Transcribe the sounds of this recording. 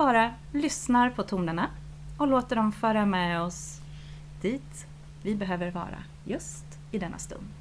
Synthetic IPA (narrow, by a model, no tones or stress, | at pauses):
b̥ɑːɾa | lʏsnaɾpʰɔt̪ʰuːnəɳa | ɔloːt̪əɖɔmfœːɾamɛɔs | d̪̥iːt̪ | vɪbɛɦøːvəɾvɑ̰ːɾa̰ | jɵst̪ | ɪd̪ɛnːa̰st̪ɵ̰nd̪